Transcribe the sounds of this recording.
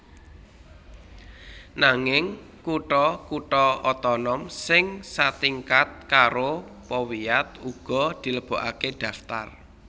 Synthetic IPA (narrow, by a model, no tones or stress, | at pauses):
naŋɪŋ | kuʈɔkuʈɔɔt̪ɔnɔmsɪŋsat̪iŋkat̪̚kaɾopɔwiat̪̚uɡ̥ɔ̤d̪̥i̤ləb̥o̤ʔakeɖ̪̥ä̤ft̪a̰r